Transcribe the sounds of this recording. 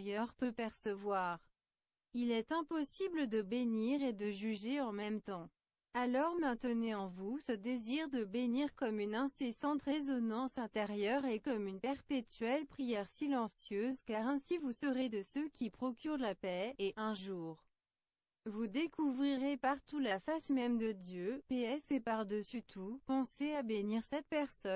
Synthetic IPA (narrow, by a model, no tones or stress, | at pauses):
jœʁpəpɛʁsəvwaʁ | ilɛt̪ɛ̃pɔsibləd̪əbeniʁed̪əʒyʒeɑ̃mɛmt̪ɑ̃ | alɔʁmɛ̃t̪əneɑ̃vusəd̪eziʁd̪əbeniʁkɔmynɛ̃sesɑ̃t̪ʁezɔnɑ̃sɛ̃t̪eʁjœʁekɔmynpɛʁpet̪ɥɛlpχijɛʁsilɑ̃sjøzkaʁɛ̃sivusəʁed̪əsøkʲipχɔkʲyʁlapɛeʔɛ̃ʒuːʁ | vud̪ekuvʁiʁepaʁt̪ulafasmɛmd̪əd̪jøpeɛsepaʁd̪əsyt̪ʰupɑ̃seabeniʁsɛt̪̚pɛʁsɔ